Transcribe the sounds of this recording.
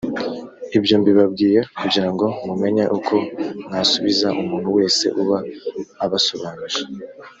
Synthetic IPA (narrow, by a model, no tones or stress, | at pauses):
ibjo̞ːmbiβabɡiːje̞kuɟiɾaŋɡo̞mume̞ɲeʔukʰo̞nhasuβizaʔumuːn̥huwe̞ːse̞̰ʔuβaːβaso̞βaːnuʒe